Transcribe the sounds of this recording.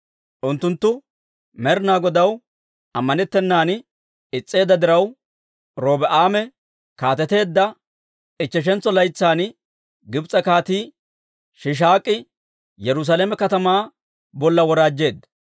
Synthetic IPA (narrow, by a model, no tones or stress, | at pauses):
ʔʊnt̪ːʊnt̪ːʊ | mɛɾnaːɡɔd̪ɐw | ɐmːɐnɛt̪ːɛnːaːn | ɪt͡sʼːe̞ːd̪ːɐd̪ɪɾɐw | ɾoːbɛʔaːmɛ | kaːt̪ɛt̪e̞ːd̪ːɐ | ɪt͡ʃːɛʃ̬ɛnt͡sːɔlɐjt͡sːaːn | ɡɪbt͡sʼɐkaːt̪iː | ʃɪʃ̬aːkʼːɪ | jɛɾʊs̬aːleːmɛkɐt̪ɐmaː | bɔlːɐwɔɾaːd͡ʒːe̞ːd̪ːɐ